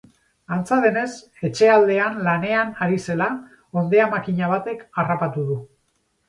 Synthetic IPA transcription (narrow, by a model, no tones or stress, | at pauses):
ant͡saðe̞ne̞s | e̞t͡ʃe̞ald̪e̞anlane̞anaɾise̞la | o̞nd̪eamakiɲaβ̞at̪e̞karapat̪uðu